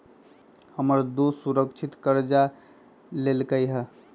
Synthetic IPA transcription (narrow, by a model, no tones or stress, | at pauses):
həməɾd̪osuɾəkt͡ʃʰit̪kəɾd͡ʒa | lelkəjɦə